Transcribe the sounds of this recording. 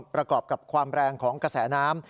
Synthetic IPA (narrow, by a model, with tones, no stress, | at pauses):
pɾa˧kɔː˨˩p̚ka˨˩p̚kʰwaː˧mɾɛː˧ŋkʰɔː˩˦ŋkɾa˧sɛː˩˦naː˦˥m